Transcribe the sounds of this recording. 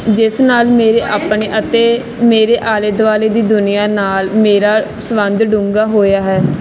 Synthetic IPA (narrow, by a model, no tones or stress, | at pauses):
d͡ʒɪsnaːlmeːɾeːʔaːpɳeːʔət̪eː | meːɾeːʔaːled̪ʋaːleːd̪iːd̪ʊnijaːnaːlmeːɾaː | səʋə̃nd̪ɖũːŋɡaːɦoːjaːɦɛː